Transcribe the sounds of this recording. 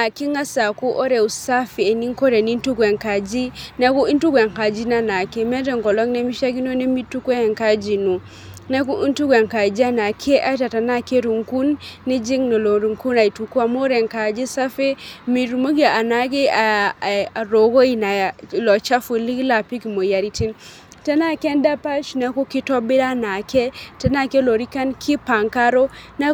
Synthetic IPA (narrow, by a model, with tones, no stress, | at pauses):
a˨ki˦ŋa˦sa˨ku˦ʔo˦ɾe˨u˨sa˦feː˨ni˦ŋko˦ɾe˨ni˦n˦tu˦kwe˨ŋka˨d͡ʒi˦ne˦ku˦i˦ntu˦kʷe˨ŋka˨d͡ʒi˦na˦na˨ke˦me˦te˨ŋɡɔ˨lo˦ŋne˦mi˦ʃa˦ɡi˦no˦ne˦mi˦tu˦ke˦˨ŋka˦d͡ʒi˨nu˨ | ne˦ku˦ʔi˦ntu˦ɡʷe˨ŋka˨d͡ʒi˦a˦na˨kʰe˦ʔa˦ta˨ta˨na˦ke˦ɾu˨ŋku˦nːi˦d͡ʒi˦ŋno˨lo˨ɾu˨ŋku˦na˨i˨tu˨kwa˨mo˦ɾɛ˨ŋka˨d͡ʒɪ˦sa˦fe˦mi˨ɾu˨mo˦ɡa˨a˨na˨ɡɪ˦a˨a˨ɾo˨ɡo˦i˨na˨lɔ˨t͡ʃa˦fu˨li˦kla˨pi˦ki˨mo˨ja˨ɾi˦ti˦n | ta˦na˦˨kɛ˦nda˦pa˦t͡ʃna˦ko˦kɪ˦tɔ˦bɪ˦ɾa˦na˨kɛ˦ta˦na˦˨ke˦lo˨ɾi˦ka˦nkʰɪ˦pa˨ŋka˦ɾo˦na˦